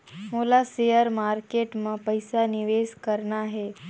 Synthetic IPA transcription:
moːlasejəɾmaːɾkeːʈmãpəjsanɪʋeːskəɾnaɦeː

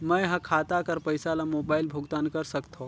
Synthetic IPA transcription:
məjɦɐ̃kʰaːt̪akɐɾpəjsalamoːbaːɪlbʱʊɡt̪aːnkɐɾsɐkt̪ʰõː

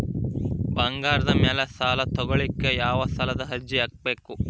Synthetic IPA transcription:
bɐŋɡaːɾɐd̪ɐmɛlɐst̪aːlɐt̪ɔɡɐɭikːe̞jaːʋɐst̪ʰɐlɐd̪ɐɦɐd͡ʒːiɐk̚beːku

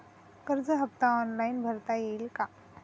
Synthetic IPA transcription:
kəɾd͡zəɦəp̚t̪aɔnlainbʱəɾt̪ajeilka

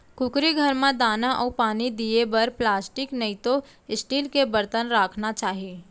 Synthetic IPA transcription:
kʊkɾiɡʱəɾmãd̪aːnaʔɔːpaːnid̪iebəɾplaːsʈɪknəĩt̪o | ɪsʈiːlkebəɾt̪ənɾaːkʰnat͡ʃaːɦie

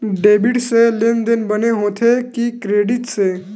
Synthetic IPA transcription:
ɖeːbɪɖselend̪enbəneɦoːt̪ʰekikɾeːɖɪʈseː

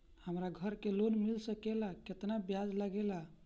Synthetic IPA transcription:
həmɾaɡʱəɾkelonmilsəkelaket̪nabjad͡ʒləɡela

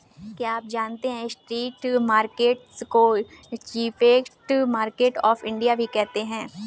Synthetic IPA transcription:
kijaːp̚d͡ʒaːnt̪eɦɛ̃sʈɾiːʈmaːɾkeːʈskot͡ʃiːfeːkʈmaːɾkeːʈɔːfɪ̃ɳɖijabʱikɛɦt̪eɦɛ̃ː

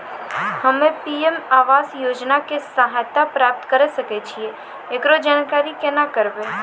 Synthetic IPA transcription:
həmẽpiemaːʋaːsjoːd͡ʒnakesaɦajt̪apɾaːp̚t̪kəɾesəket͡ʃʰieː | kɾod͡ʒaːnkaːɾikenakəɾbe

